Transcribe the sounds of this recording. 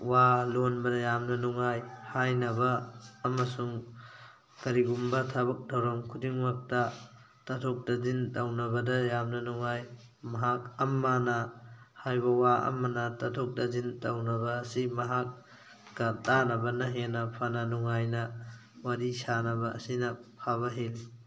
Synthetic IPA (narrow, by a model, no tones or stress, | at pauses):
walonbɐdɐjamnɐnuŋajhajnɐbɐːmɐsuŋ | kɐɾiɡumbɐtʰabɐk̚dawɾɐmkʰudiŋmak̚tɐ | tɐtʰok̚dɐzintawnɐbɐdɐjamnɐnuŋaj | mɐɦak̚ɐmːanɐ | hajbɐwaʔɐ̰mːɐnɐtɐtʰok̚dɐzintɐwnɐbɐːsimɐɦak̚ː | ɐtanɐbɐnɐɦenɐpʰanɐnuŋajnɐ | wadisanɐbɐʔɐ̰sinɐpʰaβɐɦil